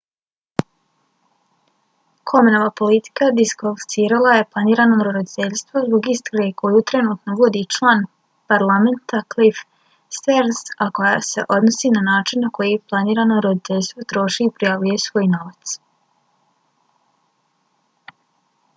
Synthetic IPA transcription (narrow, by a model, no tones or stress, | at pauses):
kʰo̞meno̞ʋapo̞lit̪i̥kad̪iskolfsiːɾalˠaje̞plˠaniːɾanoɾɾod̪it̪e̞ʎʲst̪ʋozboɡist̪ɾaɡeko̞jut̪ɾe̞nuːt̪noʋod̪it͡ʃlˠaːn | paɾlˠame̞nt̪aklif | st̪eɾsako̞jase̞̰ʔo̞d̪no̞siːnanaːt͡ʃinːako̞jiplˠaniːɾanoɾod̪it̪e̞ʎʲst̪vʋo̞t̪ɾo̞ʃiːpɾijaʋuje̞sʋo̞ːjno̞ʋat̪s